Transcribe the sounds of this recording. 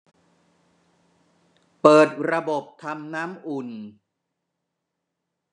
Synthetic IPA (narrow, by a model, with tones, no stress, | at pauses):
pɤː˨˩t̪̚ɾa˧bo˨˩p̚t̪ʰa˧mnaː˦˥mʔu˨˩n